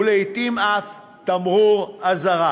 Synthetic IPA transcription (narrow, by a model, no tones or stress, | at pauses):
lejt̪imaf | t̪amʁuʁazaʁa